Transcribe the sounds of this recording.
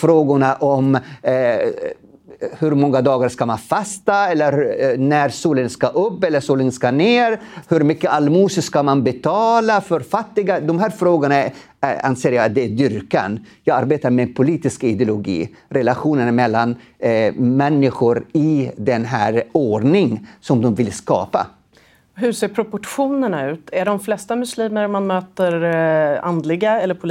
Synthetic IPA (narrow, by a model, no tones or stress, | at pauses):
fɾoːɡʊɳaʔɔm | hɵɾmɔŋːad̪ɑːɡaɾʂkamanfast̪aɛlːəɾnæɾsuːlənskaʔɵpːɛlːəʂuːlənskaneːɾhɵɾmʏkːəʔalmuːsəskamanbɛt̪ʰɑːlafœɾfat̪ːɪɡad̪ɔmɦæːɾfɾoːɡʊɳa | a̰nseːɾjɑːat̪̚d̪ɛæd̪ʏɾka̰njɑːɡaɾbeːt̪aɾmɛpʰʊliːt̪ɪskaɪd̪ɪʊlʊɡḭːɾɛlaɧuːnənmɛlːan | mɛnːɪɧʊɾɪd̪ɛnɦæ̰ːɾoːɖɳɪŋsɔmd̪ɔmvɪlskɑ̰ːpa̰ | ɦɵseːɾpʰɾʊpɔʈɧuːnəɳaʉ̟ːt̪ʰæɖɔmflɛst̪amɵsliːməɾmanmøːt̪əɾa̰nd̪lɪɡaɛlːəɾpʰʊ